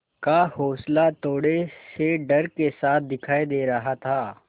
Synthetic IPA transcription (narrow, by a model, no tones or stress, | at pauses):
kahoːslat̪oːɽeseɖɐɾkesaːt̪̚ʰd̪ɪkʰaːid̪eːɾɐɦat̪ʰaː